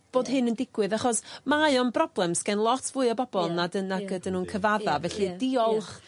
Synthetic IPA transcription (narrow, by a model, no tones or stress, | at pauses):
b̥oːdɦɨnəndɪɡwɪðaχɔsmaɨɔnbrɔblˠɛmsɡ̥anlˠɔtʰvuɨɔbɔbɔlˠnadənaɡədanuːnkʰəvaðavɛɬɨdiɔlˠχ